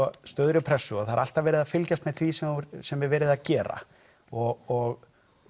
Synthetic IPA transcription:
ɔst̪œðɾʏpʰɾɛsːʏɔθaaɾal̥t̪avɛːɾɪðafɪlcast̪mɛðθʰvisɛɾsɛmɛvɛːɾɪðacɛːɾa̰ | ɔɣɔɣ

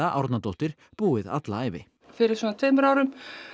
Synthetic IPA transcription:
aʔa̰wɾt̪nat̪oht̪ɪɾ̥ | puːɪða̰t̪laaːjvɪ | fɪɾɪɾ̥sɔːnat̪ʰeːmʏɾaːwɾʏm

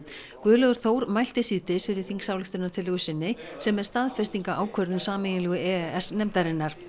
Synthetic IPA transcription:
kvœːlœɣʏɾ̥θoːwɾmajl̥t̪ɪsiːt̪ɪsfɪɾɪɾ̥θiŋksaːwlɪxt̪ʏnat̪ʰɪlʏɣʏsɪnːɪsɛmɛɾ̥st̪aðfɛst̪iŋkaʔaːwkʰœɾðʏmsaːmɛjɪnlɛɣʏɛɛsnɛmt̪aɾɪnːaɾ̥

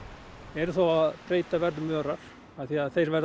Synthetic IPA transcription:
ɛɾʏθawaðpɾeːjt̪avɛɾðmœːɾaɾ̥ | aθiaðθejɾvɛɾð

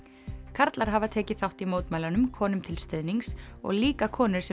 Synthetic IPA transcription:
kʰaɾt̪laɾ̥ɦaːvat̪ʰɛːcɪθawht̪imoːwt̪majlanʏmkʰɔːnʏmt̪ʰɪlst̪eðniŋsɔ̰ɣliːkakʰɔːnɪ̥sɛ

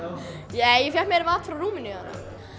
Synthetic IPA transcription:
nɛːjɛfjat̪mɛɾɪvaːt̪fɾawruːmɪnɪa̰nːa̰

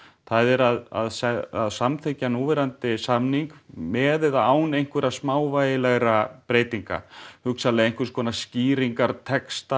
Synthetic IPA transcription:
θaðɛɾaða̰ðsɛaðsamθʰecanuːvɛɾant̪ɪsamniŋkmɛːðɪðaaːwnejŋ̥kvʏɾaðsmaːwvajɪlɛɣɾapɾeːjt̪iŋka̰hʏksalɛejŋ̥kvɪɾskʰɔːnasciːɾiŋkaɾt̪ʰɛkst̪a

